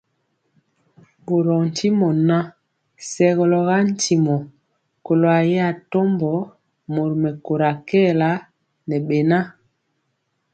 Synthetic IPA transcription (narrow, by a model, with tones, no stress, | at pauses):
bo˨ɾɔ˨n̩˨tʰi˦mɔ˨na˦ | sɛ˨ɣɔ˨lɔ˨ɣa˦n̩˦ti˨mɔ˨ | ko˨lo˨a˨jɛ˦a˨to˦mbɔ˨˦ | mo˨ɾmɛ˨ko˨ɾa˨kɛ˦˨la˦ | nɛ˨ɓɛ˨na˦